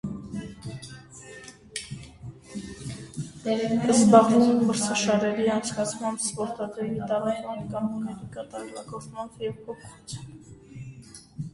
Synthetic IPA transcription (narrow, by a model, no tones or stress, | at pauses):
ɛzbɑʁvumɛmbəɾsʰɑʃɑɾɛɾiɑnt͡sʰkɑt͡sʰmɑmbspɔɾt̪ɑt̪ɛvit̪ɑʁɑjnɛkɑmukɛɾikɑt̪ɑɾɛlɑkɔvmɑmvjɛvpʰɔpʰut͡sʰn